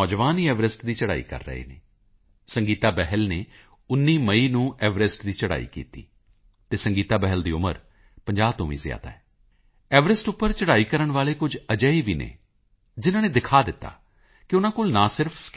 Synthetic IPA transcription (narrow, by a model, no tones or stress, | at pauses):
ɔːd͡ʒʋaːniːɛːʋɾɪsʈd̪iːt͡ʃəɽa̰ːḭːkə̰ɾːə̰ḛːnḛː | səŋɡiːt̪aːbɛɦəlneː | ʊnːiːməiːnũːʔɛːʋɾɪsʈd̪iːt͡ʃəɽa̰ːḭːkḭːt̪ḭː | t̪eːsəŋɡiːt̪aːbɛɦəld̪iːʊmə̰ɾ | pəɲd͡ʒaːbt̪õːʋḭ̃ːzɪja̰ːt̪a̰ːɛː | ɛːʋɾɪsʈʊpːəɾt͡ʃəɽaːiːkəɾəɳʋaːleːkʊd͡ʒəd͡ʒəːiʋiːnḛː | d͡ʒɪnãːnẽːd̪ɪkʰaːd̪ɪt̪ːa̰ː | kɪʊnãːkoːlnãːsɪɾpʰsk